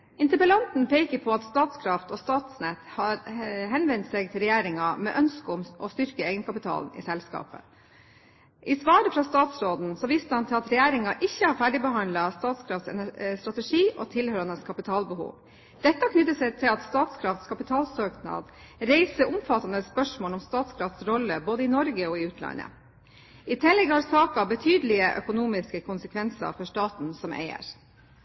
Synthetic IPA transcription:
ɪnt̪əpəlɑnt̪n̩pʰeːkəɾpʰɔɑt̪st̪ɑːt̪skʰɾɑft̪ɔst̪ɑːt̪snɛt̪hɑɾɦɛnʋɛnt̪seɡt̪ʰɪlɾɛjæːɾɪŋɑmɛ̰ʔœnskəʊmʔɔst̪ʏɾkəeːɡənkʰɑpɪt̪ʰɑ̰ːln̩ɪ̰sɛlskɑ̰ːpə̰ | ʔɪsʋɑːɾəfɾɑst̪ɑːt̪sɾoːd̪n̩sɔʋɪst̪əhɑnt̪ʰɪlɑt̪ɾɛjæːɾɪŋɑʔɪçːəhɑɾfæːɖɪbəɦhɑnd̪lɑst̪ɑːt̪skʰɾɑft̪sɛ̰næst̪ɾɑt̪əʂiːʔɔt̪ʰɪlhœɾɑnəskʰɑpɪt̪ʰɑːlbəhṵːʋ | d̪ɛt̪ːɑkʰnʏt̪ːəsɛt̪ʰɪlɑt̪st̪ɑːt̪skʰɾɑft̪skʰɑpɪt̪ʰɑːlsøːknɑ̰d̪ | ɾeɪsəɾʔʊmfɑt̪ːɑnd̪əspœʂmoːlɔmst̪ɑːt̪skʰɾɑft̪sɾɔlːəboːd̪əɪnɔɾɡəɔɪʉːt̪ʰlɑ̰nə̰ | ʔɪt̪ʰɛlːɛɡhɑɾsɑːkɑbət̪ʰyːd̪əlɪəʔœ̰kʊnuːmɪskəkʰʊnsəkʰʋɛnsɑ̰fɔʂʈɑːt̪n̩sɔmʔḛɪə̰ɾ

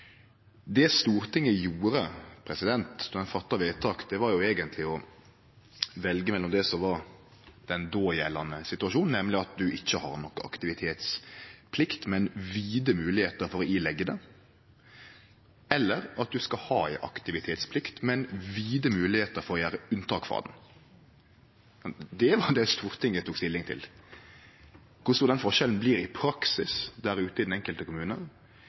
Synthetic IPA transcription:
d̪ɛst̪uːɾt̪ʰɪŋːəjuːɾəpʰɾɛsɪd̪ɛnt̪ɔd̪ɛnfɑt̪ːɑʋeːt̪ʰɑːkd̪ɛʋɑɾjʊeːɡənt̪ʰlɪɔ | ʋɛlɡəmɛlːɔmd̪ɛsɔmʋɑɾ | d̪̥ɛnd̪oːjɛlːɑnəsɪt̪ʉɑʃuːnn̩ɛmlɪɑt̪̚d̪ʉʔɪçːəhɑ̰ɾnɔkːəɑ̰kt̪ɪʋɪt̪ʰeːt̪spʰlɪkt̪mɛnʋiːd̪əmʉːlɪheːt̪əɾfɔɾɔiːlɛɡːəd̪ɛ | ɛlːəɾɑt̪̚d̪ʉskɑhɑːæɪʔɑ̰kt̪ɪʋɪt̪ʰeːt̪spʰlɪkt̪mɛnʋiːd̪əmʉːlɪheːt̪əɾfɔʁɔjæːɾəʉnt̪ʰɑːkfɑ̰ːd̪n̩ | ɑnd̪ɛʋɑd̪ɛst̪uːʁt̪ʰɪŋːət̪ʰuːkst̪ɪlːɪŋt̪ʰɪ̰l | kʰʊsɔd̪ɛnfɔɾʃɛln̩bliːɾɪpʰɾɑksɪsd̪æɾʉːt̪əɪd̪n̩ɛŋkəlt̪əkʊmʉːnə̰n

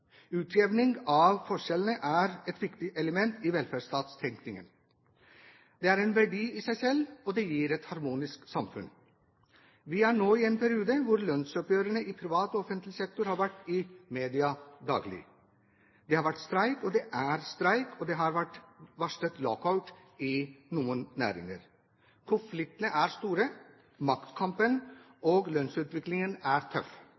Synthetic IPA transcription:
ʉːt̪ʰɾɛʋnɪŋɑʋfɔʂɛlənəʔæɾɛt̪ʋɪkt̪ɪʔɛləmɛnt̪iːʋɛlfæːɖʂt̪ɑːt̪st̪ʰɛŋknɪŋə̰n | d̪ɛæːɾɛːnʋæɖiːisæɪsɛlːɔd̪ɛjiːɾɛt̪hɑɾmuːnɪsksɑmfʉ̰n | ʋɪæɳoːiːeːnpʰæɾɪuːd̪əʋʊɾlœnsɔpøːɾəɳəʔiːpʰɾɪʋɑːt̪ɔɔfənt̪lɪsɛk̚t̪ʊɾhɑːɾʋæʈːɪmeːd̪ɪɑd̪ɑ̰ːɡlɪ̰ | d̪ɛːhɑːɾʋæʈːst̪ɾæɪkɔd̪ɛʔæɾst̪ɾæɪkʰɔd̪ɛɦɑɾʋæʈːʋɑʂət̪lɔkʰɑʉt̪ | ɪnuːənnæ̰ːɾɪ̰ŋə̰ɾ | kʰʊnflɪk̚t̪ənəʔæɾst̪uːɾə | mɑkt̪kʰɑmpən | ʔoːɡlœnsʉːt̪ʋɪklɪŋənæɾt̪ʰœ̰f

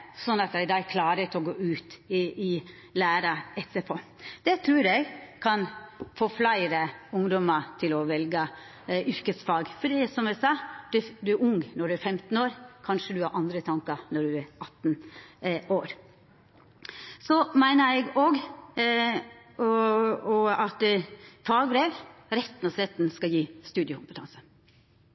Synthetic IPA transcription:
sɔnːɑt̪̚j̪æɪd̪ɑkʰlɑːɾət̪ʰɔɡoːʉːt̪ɪ | læːɾɑɛt̪ːəpʰɔ | d̪̥ɛt̪ʰɾʉːɾɛɡkʰɑnfoːflæɪɾəʊŋd̪ɔmət̪ʰɪlɔʋɛlɡə | ʏɾkəsfɑːɡfɔɖiːsɔmæsɑːd̪̥d̪ʉæɾʊŋnɔɖʉæɾfɛmt̪n̩oːɾkʰɑnʂəd̪ʉhɑɾʔɑnd̪ɾət̪ʰɑŋkɑnɔɖʉæɾɑt̪ːn | oːɾ | sɔmæɪnəɾɛɡoɡ | ɔɑt̪fɑːɡbɾeːʋɾɛt̪ːn̩ɔsɾɛt̪ːnskɑjiːst̪ʉːd̪ɪəkʰʊmpət̪ɑnsə̥

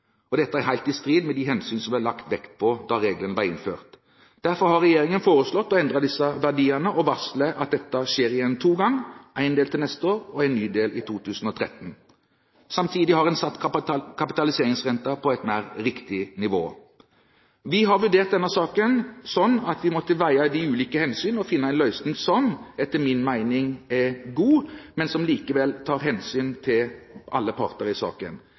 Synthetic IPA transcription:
ɔd̪ɛt̪ːəæɾɦæɪlt̪ɪst̪ɾiːd̪mɛd̪ɪɦɛnsyːnsɔmʋælɑkt̪ʋɛkt̪̚pʰɔd̪ɑɾeːɡlənəʋɑʁɪ̰nfø̰ːʁt̪ | d̪̥æɾfɔɾhɑɾɛjeːʁɪŋənfoːʁəslɔt̪ːɔɛnd̪ɾɑd̪ɪsəʋæʁɖiːənəʔɔʋɑsləʔɑt̪̚d̪ɛt̪ːɑʃeːɾɪjɛnːt̪ʰuːɡɑŋʔæɪnd̪eːlt̪ʰɪlnɛst̪əoːɾɔæɪnːyːd̪eːlʔɪt̪ʰuːt̪ʰʉːsn̩ɔt̪ʰɾɛ̰t̪ən̩ | sɑmt̪ʰiːd̪ɪhɑʁɛnsɑt̪ːkʰɑpɪt̪ɑlɪseːʁɪŋsʁɛnt̪ɑpʰɔɛt̪næːʁɾɪkt̪ɪnɪʋo̰ː | ʋɪɦɑʁʋʉɖ̪eːʁt̪̚d̪ɛnɑsɑːkənsɔnːɑt̪ʋɪmɔt̪ːəʋæɪɑd̪iʉːliːkəhɛnsyːnɔfɪnːəæɪnlœʏsnn̩sɔmɛt̪ːəmɪnmæɪnɪŋɛɡuːmɛnsɔmliːkəʋɛlt̪ʰɑːɾɦɛnsyːnt̪ʰɪlʔɑlːəpʰɑ̰ːʁt̪əɾɪsɑ̰ːkə̰n

